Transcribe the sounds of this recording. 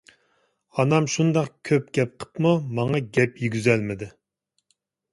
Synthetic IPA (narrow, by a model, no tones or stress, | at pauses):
ɑnɑmʃund̪ɑqkʲʰøpɡ̥ʲɛp̚qʰə̥pmumɑŋɑɡʲɛpjyɡʲyzɛlmɪd̪ɪ